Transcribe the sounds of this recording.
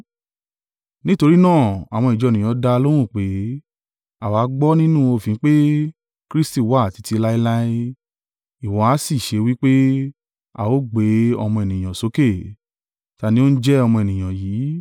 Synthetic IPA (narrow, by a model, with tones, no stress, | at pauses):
nĩ˦to˧ɾi˦nãː˦˨a˨w̃ɔ̃˧i˨d͡ʒɔ˧˨nĩ˨j̃ɔ̃˨˦da˧lõ˦ũ˦˨k͡pe˨˦ | a˨wa˨˦ɡ͡bɔ˦nĩ˦nũ˦o˧˨fĩ˨˦k͡pe˦ | kɾi˦sti˦˨wa˦˨ti˧ti˧la˦i˦la˦i˦ | i˨wɔ̃˨˦a˨˦si˦˨ʃe˨˧˦wi˦k͡pe˦ | a̰˨wo˦ɡ͡be˨˦ɔ̰˧mɔ̃˧e˨nĩ˨j̃ã˨so˨˦ke˦˨ | ta˧nĩ˦o˦n̩˦d͡ʒɛ˦ɔ˧mɔ̃˧e˨nĩ˨j̃ã˨jiː˨˦